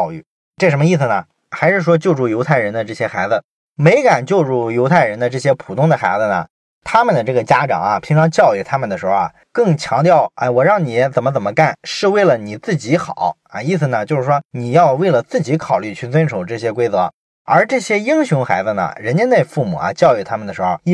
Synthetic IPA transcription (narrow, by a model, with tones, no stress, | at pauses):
ʊy̰˥˩ | ʈ͡ʂɤ˥˩ʂə˧˥mə˧i˥˩s̩˩nə˩ | xa˧˥ɪʂɻ̩˥˩ʂwɔ˥t͡ɕjo˥˧ʊʈ͡ʂu˥˩jo˧˥ʊt̪ʰa˥˩ɪɻə˧˥nd̪ə˧ʈ͡ʂɤ˥˩ɕjɛ˥xa˧˥ɪd͡zɹ̩˧ | me˧˥ɪka˨˩nt͡ɕjo˥˧ʊʈ͡ʂu˥˩jo˧˥ʊt̪ʰa˥˩ɪɻə˧˥nd̪ə˧ʈ͡ʂɤ˥˩ɕ̬jɛ˥pʰu˨˩t̪ʰʊ˥ŋd̪ə˨xa˧˥ɪd͡z̩˧nə̰˩ | t̪ʰa˥mə˨nd̪ə˩ʈ͡ʂɤ˥˩ɡə˩t͡ɕja˥ʈ͡ʂɑ̰˨˩˦ŋɐ˩pʰi˧˥ŋʈ͡ʂʰɑ˧˥ŋt͡ɕjɑ˥˧ʊy˥˩t̪ʰa˥mə˨nd̪ə˩ʂɻ̩˧˥xo˧ɐ̰˨˩ | kɤ˥˩ŋt͡ɕʰjɑ˧˥ŋt̪̬jɑ˥˩ʊa̰˥˩wɔ˨˩ɻɑ˥˩ŋni˨˩jɛ˥t͡sə˨˩nmə˦t͡sə˨˩mə˦ka˥˩nʂɻ̩˥˧we˥˩ɪlə˩ni˨˩t͡sɹ̩˥˩t͡ɕi˧˥xɑ̰˨˩˦ʊ | ɐ˥˩i˥˧s̬̩˩nə˩t͡ɕjo˥˧ʊʂɻ̩˥˩ʂwɔ˥ni˨˩jɑ˥˧ʊwe˥˩ɪlə˩t͡sɹ̩˥˩t͡ɕi˧˥kʰɑ˨˩ʊly˥˧t͡ɕʰy˥˩t͡swə˥nʂo˨˩ʊʈ͡ʂɤ˥˩ɕ̬jɛ˥kwe˥ɪt͡sɤ˧˥ | ə˞˧˥ʈ͡ʂɤ˥˩ɕjɛ˥i˥ŋɕjʊ˧˥ŋxa˧˥ɪd͡z̩˧nə̰˩ɻə˧˥nt͡ɕjɛ˥nne˥˧ɪfu˥˩mṵ˨˩ɐ̰˦t͡ɕjɑ˥˧ʊy˥˩t̪ʰa˥mə˨nd̪ə˩ʂɻ̩˧˥xo˥˧˥